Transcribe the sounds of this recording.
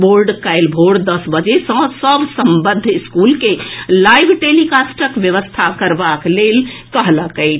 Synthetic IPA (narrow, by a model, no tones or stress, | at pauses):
boɾɖkajlbʱoɾɖd̪əsbəd͡ʒesə̃səbsəmbəd̪ʱːiskulkelajbʱʈelikasʈəkʋjəʋəst̪ʰakəɾbaklelkəɦləkəɪt͡ʃʰ